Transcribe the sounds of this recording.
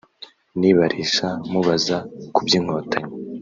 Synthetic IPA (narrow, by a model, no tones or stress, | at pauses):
niβaɾʔiʃamuβazakubjiːŋo̞ːtʰaɲa